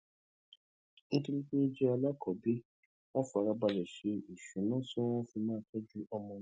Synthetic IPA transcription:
ñ̩˦ti˧nĩ˦k͡pe˦i˦d͡ʒɛ˦a˧la˦kʰɔ˨be˦ | w̃ɔ̃˦fa˨˧ɾa˧ba˧lɛ˨ʃe˨˦i˨ʃũ˨˦nã˦so˦w̃ɔ̃˦fi˧mãː˦tɔ˦d͡ʒu˦ʔɔ˧mɔ̃˧˦

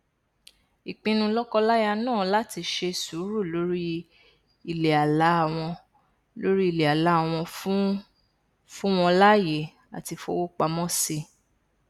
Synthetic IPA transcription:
i˨k͡pĩ˧nũ˧lɔ˦kɔ˦la˦ja˧nãː˦˨la˦ti˧ʃe˧su˨˦ɾu˦˨lo˨˦ɾi˦ | i˦˨le˨a˨la˨˦a˦˨w̃ɔ̃˧ | lo˦ɾi˦i˦˨le˨a˨la˨˦˨w̃ɔ̃˧˦ | fũ˦w̃ɔ̃˧la˦je˨ | a̰˨ti˧fo̰˧˦wo˦k͡pa˧mɔ̃˦si˧

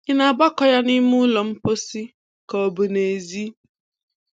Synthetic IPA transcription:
ɪ˦na˨ba˦kɔ˨ja˦nɪ˦mʊ˦lɔ˨m̩˦po˦si˦ | kɔ˨bʊ˨ne˨e˨zi˦

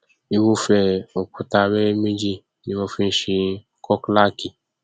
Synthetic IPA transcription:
i˦wu˦fɛ˧o˨ku˨ta˧˨βɛ˦mĩ˦d͡ʒi˧ | nĩ˦wɔ˧fĩ˦n˨ʃĩ˧ | kɔ˦kla˦ki˨

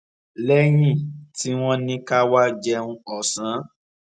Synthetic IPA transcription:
lɛ˦j̃ĩ˦˨ti˦w̃ɔ̃˦nĩ˦ka˦wa˦d͡ʒɛ˧ũ˧˦ɔ˨sã˨˦

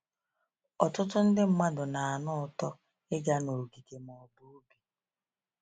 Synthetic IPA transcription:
ɔ˨tʊ˦tʊ˦n̩˦dɪ˦m̩˦ma˦dʊ˨na˨a˨nʊ˦˨tɔ˦ | ɪ˦ɡa˦no˨ɡi˨ke˨mɔ˨bu˨˦bi˨

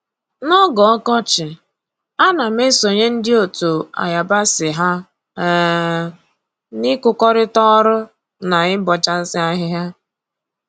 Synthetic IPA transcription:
nɔ˦ɡɔ˨ɔ˦kɔ˦t͡ʃɪ˨ | a˦na˨m̩˦e˦so˨ɲe˦n̩˦dɪ˦o˨to˨a̰˨ja˨ba˦sɪ˨ɦa˦˨ | nɪ˦kʊ˨kɔ˦ɾɪ˦tɔ˦ɾʊ˦ | na˨ɪ˦bɔ˨t͡ʃa˦n̩˦sɪ˦a˦ɦɪ˦ɦa˦

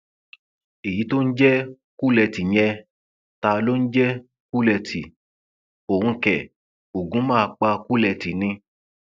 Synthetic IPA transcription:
e˨ji˨˦to˦n̩˦d͡ʒɛ˦ | ku˦lɛ˧ti˨ɲ̃ɛ˧ | ta˧lo˦n̩˦d͡ʒɛ˦ | ku˦lɛ˧tʰi˨ | o˨hũ˧kɛ˨ | o˨ɡũ˨˦mãː˦a˧k͡pa˧ku˦lɛ˧ti˨nĩ˧

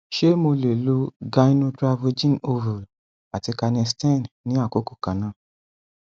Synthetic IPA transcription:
ʃe˦mo˧le˨lo˧˦ɡa˧i˦nũ˦tɾa˧vu˧d͡ʒĩ˦˨no˧vu˨ | a˨ti˧ka˧nĩ˧stɛ̃˦˨nnĩ˨˦a˦˨ko˨˦ko̥˦˨kã˨˦nã˦˨

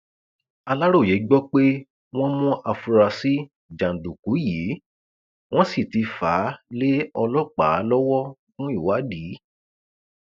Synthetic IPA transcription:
a˧la˦ɾo˦˨je˨˦ɡ͡bɔ˦k͡pe˦ | w̃ɔ̃˦mɔ̃˦ʔa˧fu˧ɾa˧si˦ | d͡ʒã˨n̩˨du˨ku˨˦jiː˨˦ | w̃ɔ̃˦si˦˨ti˧faː˨˦le˦ɔ˧lɔ˦˨k͡pa̰ː˨˦lɔ˦wɔ˦ɡũ˦i˦˨wa˨˦di˨˦

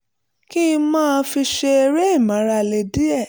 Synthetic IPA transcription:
kĩ˦˧mãː˦˧˦fi˧ʃe˧e˧ɾe˦i˦˨mã˨˦ɾa˧le˧di˦ɛ˦˨

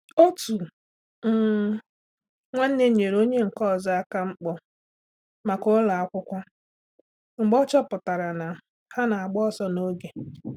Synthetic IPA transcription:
o˦tu˨ | m̩˨ | ŋʷa˦n̩˦ne˦ɲe˨ɾo˦ɲe˦ŋ̩˨kɔ˦˨za˦a˦ka˦ŋ͡m̩˦k͡pɔ˦ | ma˨ko˦la˨a˦kʷʊ˦kʷa˦ | ŋ͡m̩˨ɡ͡bɔ˦t͡ʃɔ˦pʊ˨ta˨ɾa˨na˨ | ha˦na˨a˨ɡ͡bɔ˦ɔ˦sɔ˦no˦ɡe˨

